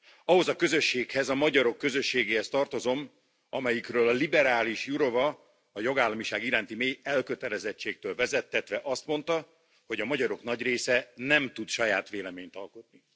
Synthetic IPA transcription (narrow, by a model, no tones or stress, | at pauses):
ɒɦo̞zɒkø̞zø̞ʃːeːkhɛzɒmɒɟɒɾo̞kːø̞zø̞ʃːeːɡeːhɛst̪ɒrt̪o̞zo̞m | ɒmɛjikrøːlɒlibɛɾaːliʃjuɾo̞vɒ | ɒjo̞ɡaːlːɒmiʃaːɡiɾaːnt̪imeːjɛlkøt̪ɛlɛzɛt͡ʃːeːk̚t̪øːlvɛzɛt̪ːɛt̪ʋɛʔɒst̪mo̞n̪t̪ɒ | ho̞ɟɒmɒɟɒɾo̞knɒɟreːsɛnɛmt̪ut̪ʃɒjaːt̪ʋeːlɛmeːɲt̪ɒlko̞t̪ni